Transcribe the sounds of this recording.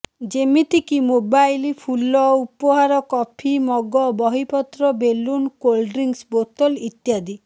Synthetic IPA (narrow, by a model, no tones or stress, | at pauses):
d͡ʒemit̪ikimobajlipʰulɔupɔɦaɾɔkɔpʰimɔɡɔbɔɦipɔt̪ɾɔbelːunkolɖɾiŋsbot̪ɔlit̪jad̪i